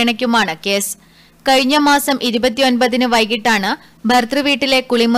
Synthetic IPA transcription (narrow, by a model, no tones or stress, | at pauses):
ɐɳɐkʲːumaːɳɨke̞ːs | kɐɻiɲːɐmaːsɐmʔiɾubɐt̪̬ːijo̞nbɐðinɨʋɐjkiʈːaːɳɨ | bʱɐrt̪rɨʋiːʈːile̞kuɭimu